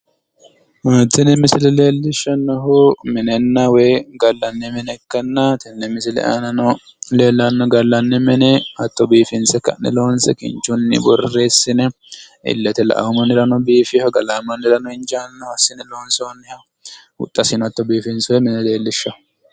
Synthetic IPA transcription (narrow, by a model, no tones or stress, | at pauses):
maːt̪ːɪnɛmɪsɪlɛle̞ːlːɪʃːɐnːɐɦʊmɪnɛnːɐwɛjɡɐlːɐnːɛmɛnɛkːɐnːɐt̪ɛnːɛmɪsɪlɛ̰ʔanɐnɔ | leːlːɐnːɔɡɐlːɐnːɛmɛnɛɐt̪ːɔbiːfɪnsɛkːɐ̰nːɛ̰lo̞ːnsɛkɪ̰nt͡ʃːʊnːɪ̰bɔ̰rːeːsːɪnɛ | ɪ̰lːɐt̪ɛlɐ̰ʔɐ̰wmɐnːɪɾɐnɔbiːfɪhɐɡɐlaːmɐnːɪɾɐnɔɪnd͡ʒaːnːɐɐsːɪnɛlo̞ːnsɛwɐnːɛhɐ | hʊ̰t̪ʼːɐsɪnɐt̪ːɔbiːfɪnswɛmɪnɛle̞ːlːɪʃːɐhʊ̥